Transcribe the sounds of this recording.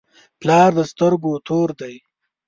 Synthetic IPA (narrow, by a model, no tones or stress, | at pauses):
plɑːɾd̪əst̪əɾɡot̪ʰoːɾd̪aj